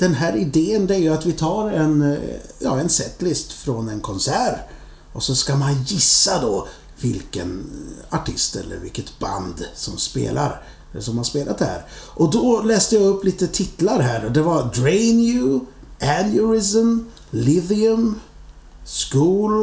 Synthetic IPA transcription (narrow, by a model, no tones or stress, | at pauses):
d̪̥ɛnɦæːɾɪd̪eːənd̪ɛæɾjɵat̪vɪt̪ʰɑːɾɛ̰njɑːɛnsɛt̪lɪst̪fɾɔnɛnkʰɔnsæːɾ | ʔɔsɔskamanjɪsːad̪ɔ | vɪlkə̰naʈʰɪ̰st̪ɛ̰lːə̰ɾvɪ̰lkət̪ba̰nd̪sɔmspḛːlʔa̰ɾ | sɔmhaʂpeːlʔa̰t̪hæ̰ːɾʔɔd̪ɔlɛːst̪əjaɵpːliːt̪ət̪ʰɪt̪laɾɦæːɾɔd̪ɛvaɾdɾɛɪnjʉ | ʔænjʊɾɪsəm | lɪðɪɵm | skuːl